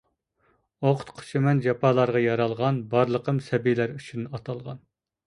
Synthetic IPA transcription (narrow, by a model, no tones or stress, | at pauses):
oqʰʊ̥t̪qʰo̥t͡ʃʰemɛnd͡ʒɑpʰɑːlˠɑɾʁɑjɑɾɑlˠʁɑnbɑɾlˠəqʰəmsɛbilæɾyt͡ʃʰynɑt̪ʰɑlˠʁɑ̰n